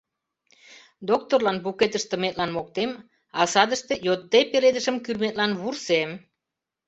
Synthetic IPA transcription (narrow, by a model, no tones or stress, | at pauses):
d̪ok̚t̪orlɑnbuket̪əʃt̪ə̆met̪̚lɑnmok̚t̪em | ɑsɑd̪əʃt̪e̽jot̪ːepeɾed̪əʒə̆mkyrmet̪̚lɑnβursem